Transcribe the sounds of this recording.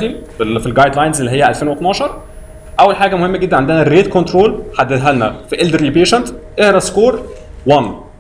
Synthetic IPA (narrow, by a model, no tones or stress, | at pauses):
iffilɡɑjd̪lɑːjnzʔelːihejːæʔælfeːnwet̪nɑːʃɑɾˤ | ʔæwːælħaːɡæmohemːæɡed̪ːænʕend̪enæɾeːd̪̚kont̪ɾoːlħad̪ːed̪ɦælnæfiʔeld̪ɾiːpeːʃænt̪ʔehɾɑskoːɾˤwɑn